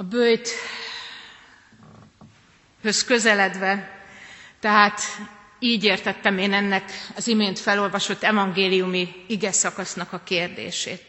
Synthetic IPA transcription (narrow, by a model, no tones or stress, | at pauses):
ɒbøjt̪ | hø̞skø̞zɛlɛd̪ʋɛ | t̪ɛɦaːt̪ | iːɟeːrt̪ɛt̪ːɛmeːnɛnːɛkɒzimeːnt̪fɛlo̞lvɒʃo̞t̪ːɛvɒŋɡeːlijumiiɡɛsɒkɒsnɒkɒkeːrd̪ḛːʃḛːt̪